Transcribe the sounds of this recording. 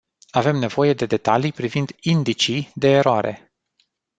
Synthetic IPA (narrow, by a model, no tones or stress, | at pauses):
ave̞mne̞vo̞je̞d̪e̞d̪e̞t̪alijpɾivind̪ind̪it͡ʃid̪e̞ːɾoaɾe̞̰